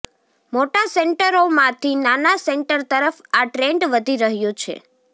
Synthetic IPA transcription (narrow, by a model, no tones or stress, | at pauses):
moʈaseɳʈəɾomãt̪ʰinanasɛɳʈəɾt̪əɾəfaʈɾeɳɖʋəd̪ʱiɾəɦjõt͡ʃʰḛ